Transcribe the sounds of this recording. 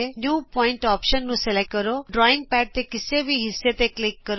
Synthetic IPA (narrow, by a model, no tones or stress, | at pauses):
enjuːpɔiɳʈɔpʃənːũselekəɾoɖɾɔiŋɡ̚pɛʈ̚t̪ekisebʱiɦisjet̪eklikːəɾ